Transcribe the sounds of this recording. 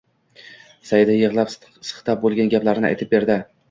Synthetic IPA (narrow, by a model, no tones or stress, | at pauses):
sajd̪ajɨʁlˠap | sɨ̥χt̪ap̚bolˠɡʲanɡʲaplaɾnɪ̰a̰jt̪ʰɪp̚be̞ɾd̪ɪ